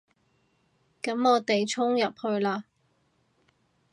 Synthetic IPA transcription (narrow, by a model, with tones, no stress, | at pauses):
kɐ˨˥mɔː˨˧t̪e˨jt͡sʰʊ˥ŋjɐ˨p̚hɵ˧ɥlaː˧